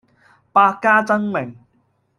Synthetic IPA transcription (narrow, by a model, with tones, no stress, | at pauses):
paː˧kːaː˥t͡sɐ˥ŋmɪ˨˩ŋ